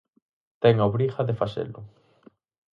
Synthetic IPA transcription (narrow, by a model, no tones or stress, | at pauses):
t̪ɛŋaoβɾiχɐðefasḛlʊ